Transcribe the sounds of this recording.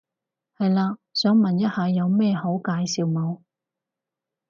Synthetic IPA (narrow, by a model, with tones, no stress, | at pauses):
hɐ˨jlaː˧sœː˨˥ŋmɐ˨njɐ˥t̚haː˨˧jɐ˨˧wmɛː˥ho˨˥wkaː˨˥jsiː˨wmɐ˨˧w